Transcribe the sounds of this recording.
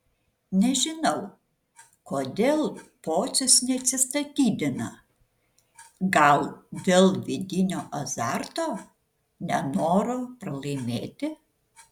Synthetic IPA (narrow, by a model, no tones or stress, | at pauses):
nʲɛʒʲɪnɐʊ | koːd̪ʲeːlˠpoːt̪sʲʊsnʲɛɐt̪ʲsʲɪst̪ɐt̪ʲiːd̪ʲɪnɐ | ɡɐlˠd̪ʲeːlˠʋʲɪd̪ʲɪnʲoːʔɐzɑɾt̪oː | nʲɛnoːɾoːpɾɐlˠɐɪmʲeːt̪ʲɪ